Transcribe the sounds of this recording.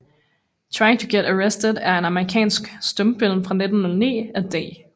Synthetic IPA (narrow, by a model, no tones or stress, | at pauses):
t͡sʰʁɑ̈ɪɪŋt͡sʰoɡ̥eɾəʁesd̥ədæɐenɑ̈məʁikʰɛ̰ːnsɡ̥sd̥ɔmb̥el̰n̩fʁɑ̈ne̝d̥n̩ːɔ̽lnḭːæd̥ḛː